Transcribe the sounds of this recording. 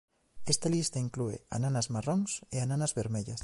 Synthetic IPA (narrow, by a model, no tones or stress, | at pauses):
est̪alist̪ɐiŋkluḛa̰nanazmarɔŋseananɐzβeɾmeʎɐs